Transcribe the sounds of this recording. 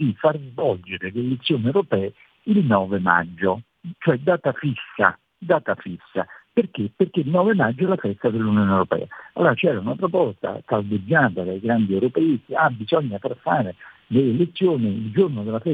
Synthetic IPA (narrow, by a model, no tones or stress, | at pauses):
d̪ifarzvɔld͡ʒeɾeleːlet̪sːjoːniewɾopɛː | ilnɔːvema̰d͡ʒːo | t͡ʃoɛd̪aːt̪afisːa̰ | d̪aːt̪afisːa̰perk̟eperkeilnɔːvemad͡ʒːoɛlafɛst̪ad̪elːunjoːnɛwɾopɛ̰ːaalːoːɾat͡ʃɛːɾaunapɾopɔst̪a̰kalbed͡ʒːaːt̪ad̪ajɡɾand̪iɛwɾopɛikeabizɔɲːafaɾfːaːɾe | d̪eelet̪sːjoːniild͡ʒornod̪elafɛ